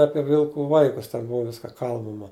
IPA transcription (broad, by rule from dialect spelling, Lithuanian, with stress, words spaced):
ˈɑːpʲiɛ ˈʋʲɪlˠkʊ ˈʋɐɪkʊs tʲɛn ˈbʊʋɐ ˈʋʲɪskɐ ˈkɐlˠbɐmɐ